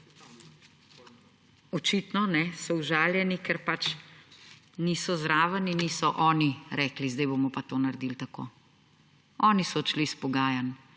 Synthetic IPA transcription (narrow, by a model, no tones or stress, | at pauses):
ɔt͡ʃiːt̪nɔnɛsɔuʒaːljɛnikɛɾpat͡ʃ | niːsɔzɾaːʋaniniːsɔʔɔːniɾɛːklizd̪ɛjbomɔpat̪oːnaɾd̪ilt̪ako̰ː | ɔːnisɔt͡ʃlispɔɡaːjan